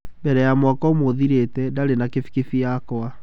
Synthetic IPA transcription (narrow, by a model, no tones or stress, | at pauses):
mbɛɾɛjamwakɔmoðiɾetɛdaɾenakefi̥kefiakwa